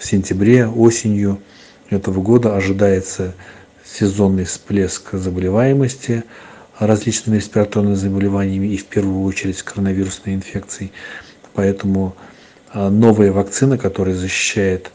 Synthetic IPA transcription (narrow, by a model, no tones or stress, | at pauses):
fsʲɪnʲtʲɪbɾʲe̞o̞sʲɪnʲjʊ | ɛt̪əvəɡo̞d̪əɐʐɨd̪ajɪt̪sə | sʲɪzo̞nːɨjsplʲe̞skzəbəlʲɪvajɪməsʲtʲɪrɐzʲlʲit͡ɕnɨmʲɪɾʲɪsʲpʲɪɾɐt̪ornɨmʲɪzəbəlʲɪvanʲɪjəmʲɪːfpʲe̞rvʊjʊo̞t͡ɕɪɾʲɪtʲsʲkəɾənɐvʲiɾʊsnəjɪnfʲe̞k̚t̪sɨɪ | pɐɛt̪əmʊ | no̞vəjəvɐkt̪sɨnəkɐt̪o̞ɾəjəzəɕːɪ̥ɕːæjɪt̪